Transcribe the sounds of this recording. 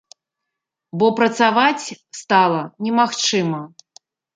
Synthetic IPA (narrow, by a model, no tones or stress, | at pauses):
bɔpɾɐt̪savat͡sʲst̪alˠɐnʲɛmaxt͡ʂɨmɐ